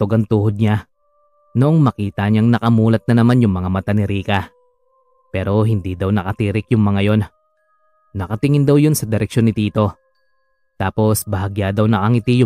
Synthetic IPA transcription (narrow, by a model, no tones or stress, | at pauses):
t̪oɡɐŋt̪uːhod̪̚ɲa | noʔo̞ŋmɐkiːt̪ɐɲaŋnɐkɐmuːlɐt̪̚nɐnɐmanjʊŋmɐŋamɐt̪anɪɾiːkɐ | pɛːɾo̞ɦɪnd̪id̪ɐwnɐkɐt̪iːɾɪkjʊŋmɐŋajo̞nː | ɐkɐt̪ɪŋɪnd̪ɐwjo̞nsɐd̪ɪɾɛkʃo̞nːɪt̪iːt̪o̞ | t̪aːpo̞sbɐɦɐɡjad̪ɐwnɐʔɐŋɪt̪ijʊ